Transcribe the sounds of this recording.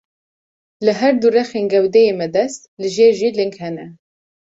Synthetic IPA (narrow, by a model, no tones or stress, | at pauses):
lɨɦæɾd̪urɛxeːnɡɛwd̪ɛjeːmɛd̪ɛst̪̚lɨʒeːɾʒilɨŋkhɛnɛ